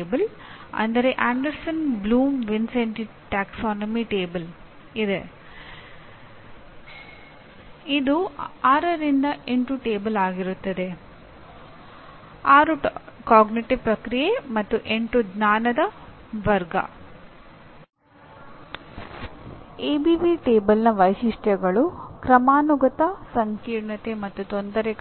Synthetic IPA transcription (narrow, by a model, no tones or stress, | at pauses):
bɐlɐ̰nd̪ɐɾe̞ʔaːɳɖɐɾsɐnbluːmʋinseɳʈi | ʈaːksaːnɐmiʈeːbɐl | id̪e̞ | id̪uaːɾɐɾind̪ɐʔeɳʈuʈe̞ːbɐlaːɡiɾut̪ːɐd̪e̞ | aːɾukaːɡniʈiʋpɾɐkɾijemɐt̪ːuʔeɳʈud͡ʒnaːnɐd̪ɐ | ʋɐɾɡɐ̰ | eːbiʋiʈeːbɐlnɐʋɐjʃiʂʈjɐɡɐɭukɾɐmaːnuɡɐt̪ɐsɐŋkiːɾɳɐt̪emɐt̪ːut̪ond̪ɐɾe